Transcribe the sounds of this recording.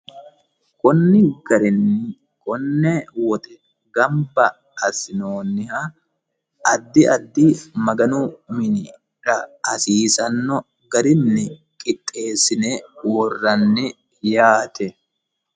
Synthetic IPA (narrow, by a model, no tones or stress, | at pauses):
kʼɔnːɪɡ̥ɐɾɪnːɪ | kʼɔnːɛwɔt̪ʼɛ | ɡɐmbɐ | ɐsɪnoːnːɪha | ɐd̪ːɪʔɐd̪ːimɐɡɐnʊmɪnɪ | ɾɐɐsiːsɐnːɔ | ɡɐɾɪnːɪ | kʼɪt̪ʼːe̞ːsɪnewɔrːɐnːɪ | jaːt̪ʰɛ